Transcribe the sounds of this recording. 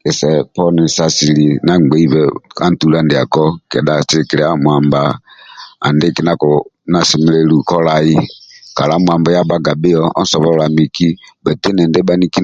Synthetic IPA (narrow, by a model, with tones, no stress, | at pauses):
kɛ˨sɛ˨pɔ˦ni˨sa˨si˨li˨na˦ŋ͡mɡ͡bɛ˨˦i˦bɛ˦ka˦n̩˦˨tu˨˦la˦ndɪ˨a˨kɔ˦kɛ˨da˨sɪ˦ɾi˨ki˨ɾɛ˨˦a˦mwa˨mba˨ | a̰˨ndɪ˦˨kɪ˦na˦kɔ˨ | na˨si˨m˦le˦lu˨kɔ˦la˨ji˦ka˨la˨˦mwa˨mba˨˦ja˦ba˦ɡa˨bɪ˦ɔ˦ɔ̰˦n˦sɔ˨βɔ˦ɔ˦la˨mi˨ki˦bɛ˨te˦nɛ˨ndɛ˦ɓa˦ni˦ki˦n